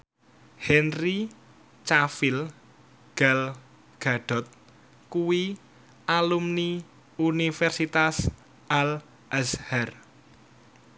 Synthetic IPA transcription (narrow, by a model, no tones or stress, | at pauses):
hɛnri | t͡ʃafil | ɡ̥al | ɡ̥a̤ɖ̥ɔ̤t̪̚ | kuwi | alumni | unifɛrsit̪as | ʔal | əshar